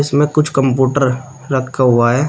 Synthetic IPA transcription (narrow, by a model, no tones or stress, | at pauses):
ɪsmẽkʊt͡ʃʰkɐmpjuːʈəɾ | ɾɐkʰkaɦʊaɦɛː